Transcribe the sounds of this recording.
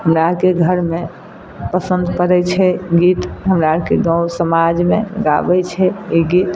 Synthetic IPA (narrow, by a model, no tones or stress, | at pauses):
ɦəmɾakeɡʱəɾme | pəsənd̪pəɾɛt͡ʃʰɛɡit̪ɦəmɾakeɡə̃wsəmad͡ʒmeɡa̰bɛt͡ʃʰɛiɡit̪